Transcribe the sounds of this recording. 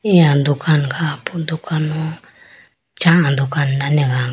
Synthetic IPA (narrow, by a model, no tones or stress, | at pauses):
iand̪ukanɡapund̪ukʰanũ | t͡ʃãʔãnd̪ukannãnẽɣaŋ